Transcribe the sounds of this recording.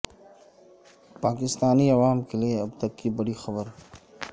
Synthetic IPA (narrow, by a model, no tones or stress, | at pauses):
paːkɪst̪aːniɐʋaːmkelieɐbt̪ɐkːibɐɽixɐbəɾ